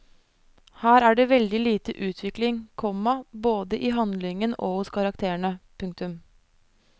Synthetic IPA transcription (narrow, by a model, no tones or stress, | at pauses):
hæːɾæːɖeːʋɛld̪ɪliːt̪əʔʉːt̪ʰʋɪklɪŋkʰɔmɑboːd̪əʔiːɦɑnd̪lɪŋəno̰ːhʊskʰɑɾɑkt̪ʰeːəɳəpʰʉŋkt̪ʉm